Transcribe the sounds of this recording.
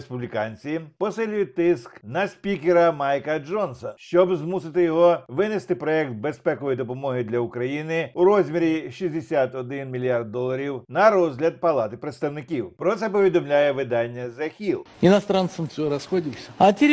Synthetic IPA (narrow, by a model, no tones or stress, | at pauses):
spublʲikɑnʲt͡sʲipɔsɪlʲʊjʊt̚ʲt̪ɪsknɐsʲpʲikʲeɾɐmɑjkɐd͡ʒɔnsɐʃt͡ʃɔbzmusɪt̪ɪjɔɦɔʋɪnest̪ɪpɾɔjɛk̚t̪̚bespɛkɔjid̪ɔpɔmɔɦɪd̪lʲɐʊkɾɐjinɪʊɾɔzʲmʲiɾʲiʃizʲd̪esʲat̪ɔd̪ɪnmʲilʲijard̪̚ːɔlˠɐɾʲiwnɐɾɔzʲɦlʲɐd̪̚pɐlˠɑt̪ɪpɾet̪st̪ɐwnɪkʲiwpɾɔt̪sɛpɔʋʲid̪ɔmlʲajɛʋɪd̪ɑnʲːɐzɐxʲilˠɪnɐst̪ɾant̪sɨmfsʲɔɾɐsxɔdʲɪlsʲə̥ɐt̪ʲe